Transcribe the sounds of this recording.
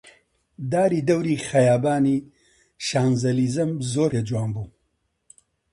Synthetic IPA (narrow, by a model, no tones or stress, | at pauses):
d̪aːɾiːd̪ɐwɾiːxɐjaːbaːni | ʃaːnzɐliːzɨmzoːɾed͡ʒuwaːnbuː